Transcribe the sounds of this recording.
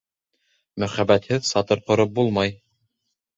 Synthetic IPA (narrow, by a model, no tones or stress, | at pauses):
mɵ̆χæbæt̪hɘðsɑt̪ɤɾqŏɾɤp̚bulˠmɑj